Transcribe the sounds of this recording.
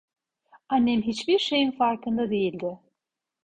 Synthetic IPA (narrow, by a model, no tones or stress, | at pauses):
anːɛmɦit͡ʃbiɾʃe̞jinfaɾkʰɯnd̪ad̪e̞jilʲd̪ɪ